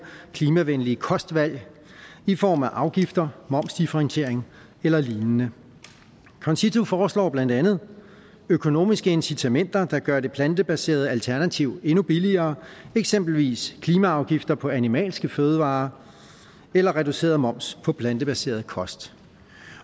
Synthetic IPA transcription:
kʰliːmæʋenliəkʰɒ̽sd̥ʋæl̰ | ifɒ̰ːmæʔɑ̈ʊɡ̥ifd̥ɐmɒ̽m̰sd̥ifəʁent͡sʰe̝ɐ̰eŋ | elɐliːnənə | kʰɒ̽nsit͡sʰufɒːslɒ̰ːb̥læn̰d̥ænð̩ˠ | økʰo̝no̝̰ːmisɡ̥əe̝nsit͡sʰæmen̰d̥ɐd̥ɑ̈ɡ̥ɶɐɾe̝pʰlænd̥əb̥æse̝̰ːɐð̞̩ˠælt͡sʰæɐnæt͡sʰiʊe̝nub̥iliɐːeɡ̥sem̰b̥l̩ʋḭːskʰliːmæɑ̈ʊɡ̥ifd̥ɐpʰɒ̽ænimɛ̰ːlsɡ̥əføːð̞ˠəʋɑ̰̈ː | elɐʁɛduse̝̰ːɐðˠmɒ̽m̰spʰɒ̽pʰlænd̥əb̥æse̝̰ːɐð̩ˠkʰɒ̽sd̥

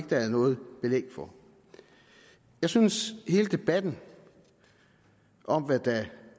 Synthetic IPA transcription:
ɡ̥əd̥ææðnɔ̽ːð̞̩ˠb̥e̝lḛɡ̥fɒ̽ | jɑ̈ɪsynshe̝ːləd̥e̝b̥æd̥n̩ | ʔɒ̽mʋæd̥æ

